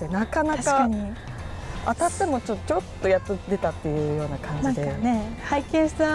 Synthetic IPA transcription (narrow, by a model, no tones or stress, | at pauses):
enakanaaɕkaaɲ̟i | at̪at̪ːe̞mo̞t͡ɕot̪ːot͡ɕo̞t̪ːo̞jat̪ɯd̪e̞t̪at̪ːe̞jɯ̟ːjo̞ːnakʰãɲd͡ʑnãŋikeanehaikẽɰ̃ɕi̥t̪a